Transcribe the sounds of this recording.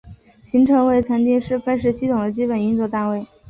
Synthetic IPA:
ɕi˧˥ŋʈ͡ʂʰɤ˧˥ŋwe˥˩ɪt͡sʰa˧˥nt̪i˥˧ʂɻ̩˥˧fa˥nʂ̬ɻ̩˥ɕi˥t̪ʰʊ˨˩ŋd̪ə˦t͡ɕi˥pə˨˩ny˥nt͡swɔ˥˩t̪a˥˧we˥˩ɪ

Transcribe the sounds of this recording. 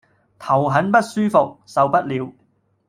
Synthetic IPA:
t̪ʰɐ˨˩wɦɐ˨˥npɐ˥t̚syː˥fʊ˨k̚sɐ˨wpɐ˥t̚liː˨˧w

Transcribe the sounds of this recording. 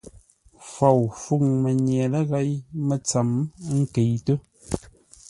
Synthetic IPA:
fɔ˨wfu˦˨ŋmə˨ɲjɛ˨lə˦ɣa˨˦jmə˨t͡sa˨m˦ŋ̩˦ke˨jtə˦

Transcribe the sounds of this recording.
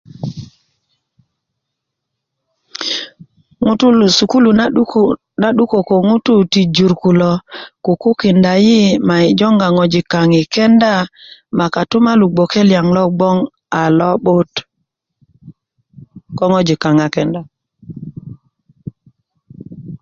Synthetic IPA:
ŋ˦tu˦lu˨su˨ku˦lu˨ | na˦ɗu˦ko˨ko˨ŋu˦tu˦ti˨d͡ʒu˨ɾku˨lɔ˨ku˨ku˦kɪ˨nda˨ji˦ma˨i˨d͡ʒɔ˦ŋɡa˨ŋɔ˨d͡ʒi˨ka˨ŋɪ˨kɛ˦nda˦˨ma˨ka˨tʊ˦ma˦lu˨ɡ͡bo˨ke˦lja˨ŋlɔ˦ɡ͡bɔ˦ŋ | a˨lɔ˦ɓʊ˦t | kɔ˦ŋɔ˦d͡ʒi˨ka˨ŋa˨kɛ˨nda˨

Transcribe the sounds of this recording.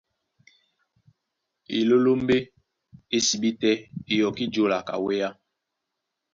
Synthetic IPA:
ḭ˨lo˦lo˦m˦e˦ | e˦si˨bi˦tɛ˦i˨jɔ˨ki˦d͡ʒo˦la˨ka̰˨we˦ja˦

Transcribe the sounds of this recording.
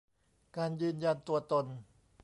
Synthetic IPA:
kaː˧njɯː˧nja˧nt̪u˧ɐt̪o˧n

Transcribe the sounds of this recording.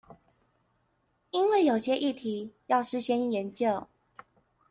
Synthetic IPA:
i˦nwe˥˨ɪjo˨˩ʊɕjɛ˦ʔi˥˨t̪ʰi˨˦jɑ˥˨ʊʂɻ̩˥ɕjɛ˥ni˥˩jɛ˨˦nt͡ɕjo˥˨ʊ

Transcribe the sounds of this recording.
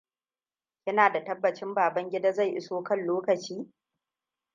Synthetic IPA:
kʲɪ˦naː˨da˨tɐ˦bːɐ˨t͡ʃɪ˦mbaː˨bɐ˦ŋɡʲɪ˦daː˦za˦˨jʔɪ̰˦soː˦kɐ˦nloː˦kɐ˨t͡ʃiː˦

